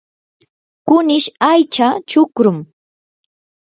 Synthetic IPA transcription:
kʊnɪʃajt͡ʃat͡ʃʊkɾʊm

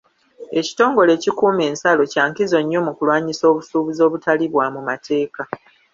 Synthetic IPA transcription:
e̞ci̥to̞ːŋɡo̞le̞ːcikuːme̞ːnsalo̞caːŋkizo̞ɲːo̞mukulwaːɲiso̞ːβusuːβizo̞ːβutaliβwamumate̞ːka

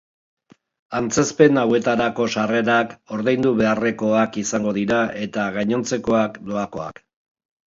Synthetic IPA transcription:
ant͡se̞spe̞nawe̞t̪aɾako̞ʃare̞ɾako̞ɾðejnd̪uβe̞are̞ko̞akisaŋɡo̞ð̞iɾaʔe̞t̪aɣaɲo̞nt͡se̞ko̞akd̪o̞ako̞a̰k

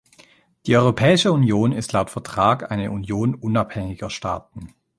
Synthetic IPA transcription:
d̥iːʔɔʏʁopʰɛːɪʃəunjoːnɪstlaʊtfɛɐtʁ̥aːkʔa̰ɪnəʔunjoːnʔʊnaphɛŋɪɡɐʃta̰ːtn̩

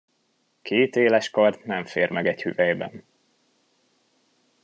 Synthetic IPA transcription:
kʰeːt̪eːlɛʃkɒrt̪nɛɱfeːrmɛɡɛchy̰vɛjbɛ̰n

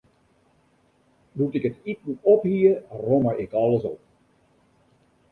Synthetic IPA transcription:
dutɪkətit̚n̩ɔphiərɔməʔɪkɑlˠəsɔp̚

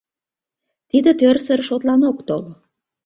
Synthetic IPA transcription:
t̪id̪ə̆t̪ørsərʃot̪lɑnokt̪ol

